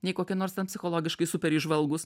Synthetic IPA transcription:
nʲɛɪkoːkʲɪnoːɾst̪ʲɛnpʲsʲɪxoːlˠoːɡʲɪʃkɐɪsʊpʲɛɾiʒʋɐlˠɡʊs

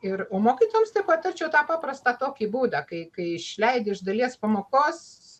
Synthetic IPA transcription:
ɪroːmoːkʲiːt̪oːjɛmst̪ɐɪpɐt̪ɐrʲt͡ʃʲɛʊt̪ɑːpɑːprɐst̪ɑːt̪oːkʲiːbuːd̪ɐkɐɪkɐɪɪʃʲlʲɛɪd̪ʲɪɪʒd̪ɐlʲiɛspɐmoːkoːs

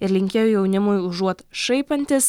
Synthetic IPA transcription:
ɪɾlʲɪŋʲkʲeːjojɛʊnʲɪmʊjʊʒuɔt̪ʃɐɪpɐnʲt̪ʲɪs

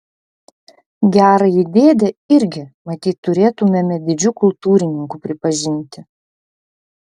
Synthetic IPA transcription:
ɡʲæːɾɐɪd̪ʲeːd̪ʲɛɪɾʲɡʲɪmɐt̪ʲiːt̪ːʊɾʲeːt̪ʊmʲɛmʲɛd̪ʲɪd͡ʒʲʊkʊlˠt̪uːɾʲɪnʲɪŋkʊpʲɾʲɪpɐʒʲɪnʲt̪ʲɪ

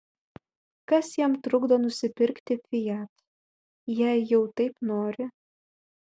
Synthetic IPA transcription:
kɐsjiɛmt̪ɾʊɡd̪oːnʊsʲɪpʲɪɾʲkt̪ʲɪfʲɪjæt̪ | jæjɛʊt̪ɐɪpnoːɾʲɪ

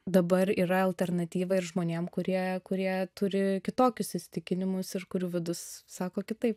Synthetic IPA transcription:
d̪ɐbɐɾiːɾɐɐlʲt̪ʲɛrnɐt̪ʲiːʋɐɪɾʒmoːnʲeːmkʊɾʲiɛkʊɾʲiɛt̪ʊɾʲɪkʲɪt̪oːkʲʊsɪsʲɪt̪ʲɪkʲɪnʲɪmʊsɪɾkʊɾʲuːʋʲɪd̪ʊssɑːkoːkʲɪt̪ɐɪp

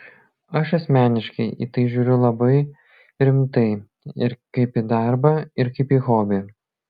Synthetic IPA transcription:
ɐʃɐsʲmʲæːnʲɪʃkɐɪʔḭːt̪ɐɪʒʲuːɾʲʊlˠɐbɐɪ | ɾʲɪmt̪ɐɪ | ɪɾkɐɪpiːd̪ɑˑɾbɐɪɾkɐɪpiːxoːbʲɪ

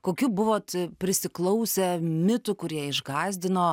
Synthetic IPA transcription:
koːkʲubʊʋoːt̪pʲɾʲɪsʲɪklˠɐʊsʲɛmʲɪt̪ʊkʊɾʲiɛɪʒɡɑːzʲd̪ʲɪnoː

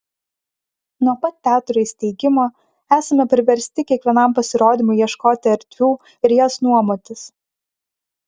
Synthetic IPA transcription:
nuɔpɐt̪̚ːʲæːt̪ʊɾɐsʲt̪ʲɛɪɡʲɪmoː | æːsɐmʲɛpʲɾʲɪʋʲɛɾʲsʲt̪ʲɪkʲiɛkʋʲiɛnɐˑmˑpɐsʲɪɾoːd̪ʲiːmʊɪjiɛʃkoːt̪ʲɪɐɾʲt̪ʲʋʲuː | ɪɾʲjosnuɔmoːt̪ʲɪs

